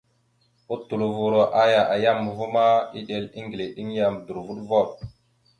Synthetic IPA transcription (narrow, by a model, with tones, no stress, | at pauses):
u˦tːu˨lu˨vu˨ɾo˨ʔa˦ja˨ʔa˨ja˦mːə˨vu˦ma˦i˦ɗe˨li˦ŋɡi˨le˨ɗi˦ŋ˦ja˨mdu˨ɾvu˦ɗvo˦˨ɗ̚